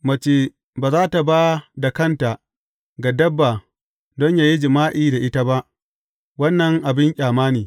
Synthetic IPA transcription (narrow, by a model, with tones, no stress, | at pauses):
mɐ˨t͡ʃeː˦ | baː˨zaː˦ta˨baː˦da˨kɐ˦˨nta˨ | ɡa˨dɐ˦bːaː˨ | dɔ˦ɲjaː˨ji˦d͡ʒɪ˨maː˦ʔiː˦da˨ʔɪ˦ta˦ba˦ʔ | wɐ˦nːɐ˨ŋʔa˨bɪ˦ŋkʲʼaː˨maː˦niː˨